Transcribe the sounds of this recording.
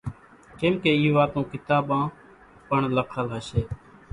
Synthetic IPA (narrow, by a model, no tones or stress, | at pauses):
kẽːmkeːiːʋaːt̪õːkɪt̪aːɓãː | pəɳləkʰəlɦəʃeː